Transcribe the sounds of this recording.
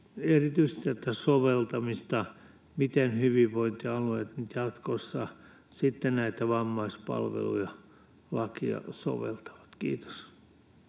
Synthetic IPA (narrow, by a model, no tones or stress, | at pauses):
erit̪yise̥st̪et̪ːæsoʋelt̪ɑmist̪ɑ | mit̪enhyʋiʋʋoint̪iɑlueˑt̪nyt̪jɑt̪kosːɑ | sit̪ːenæit̪æʋɑmːɑispɑ̰lʋḛlṵjɑ | lɑkiɑ̰so̰ʋḛlt̪ɑ̥ʋɑ̥t̪kḭːt̪o̥s